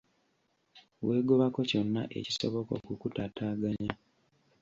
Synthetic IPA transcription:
we̞ːɡoβako̞co̞nːa̰ʔe̞̰ci̥so̰βo̞ko̞̰kukutataːɡaɲa

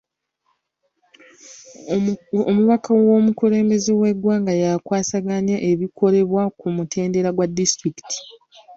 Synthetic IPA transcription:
omuβakawo̞ːmukule̞ːmbe̞zewe̞dwaːŋɡajakwaːsaɡaɲaʔe̞βikʰo̞ɾe̞βwakumutʰe̞ːnde̞ɾaɡwadːistɾiki̥tʰi̥

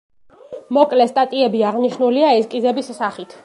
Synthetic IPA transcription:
mɔkʼlɛst̪ʼat̪ʼiɛbiaʁniʃnuliaɛskʼizɛbisːaχit̪ʰ

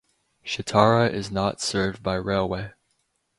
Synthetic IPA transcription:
ʃɨtʰɑɹəʔɪznətsɜ˞v̚baɪɹeɪlˠweɪ

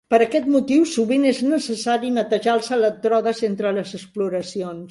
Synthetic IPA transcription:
pəɾəkɛt̪mut̪iwsuβineznəsəsaɾinət̪əʒalˠsələt̪ɾɔðəzent̪ɾələzəspluɾəsions

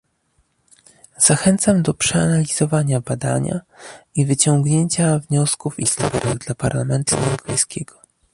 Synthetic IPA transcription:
z̥axɛnt̪samd̪ɔpʂɛa̰nalʲiz̥ɔvaɲabad̪a̰ɲa̰ivɘt͡ɕɔŋɡɲeɲt͡ɕavɲɔskufist̪ɔɾɛɾɛɣd̪lapaɾlamɛnt̪uɛwɾɔpɛjskʲɛɡ̥ɔ

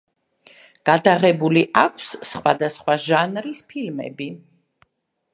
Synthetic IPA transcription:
ɡ̥ad̪aʁɛbuliʔakʷʰsːχwa̰d̪asχwaʒanɾispʰilmɛ̰bi

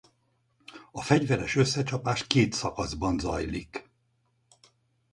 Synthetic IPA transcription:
ɒfɛɟvɛɾɛʃø̞sːɛt͡ʃɒpaːʃkeːt̪sɒkɒzbɒnzɒ̰jlik

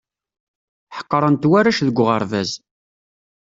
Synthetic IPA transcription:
ħə̥qːəɾˤənt̪wæɾæʃðəɡʷːʁəɾˤvæz

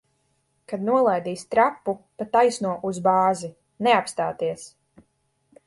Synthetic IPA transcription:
kad̪nuɔlˠajd̪iːst̪ɾapːupat̪ːajsnuɔʔuzbaːzi | nɛapst̪aːt̪iɛs

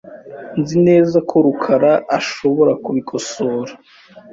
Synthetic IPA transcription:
nzine̞ːzakʰo̞ɾukʰaɾaʔːʃo̞βo̞ɾakuβikʰo̞so̞ːɾḁ

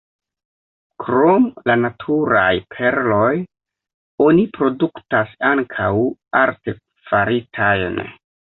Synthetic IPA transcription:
kɾo̞mlanatʰuɾa̰jpʰe̞ɾlo̞j | o̞nipɾo̞duktasaŋkʰawaɾte̞ | faɾitʰajn

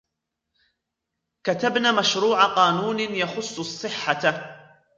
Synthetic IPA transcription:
kat̪abnaːmaʃɾuːʕaqɑːnuːnɪjaxʊsˤːɑsˤːɨħːa

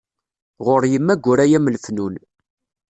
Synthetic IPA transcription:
ʁʊɾjəmːæɡʷːʊɾæjæmlfnun

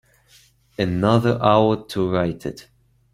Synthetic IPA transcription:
ɨnʌðə˞ʔaʊə˞tʰəɹaɪtɪ̰t

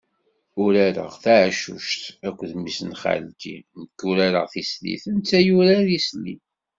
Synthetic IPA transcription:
ʊɾæɾə̰ʁθaʕʃṵʃt̪ækʷːðmisnχa̰lkḭnəkːuɾaɾə̰ʁθislḭθənt͡sːæjuɾaðisli

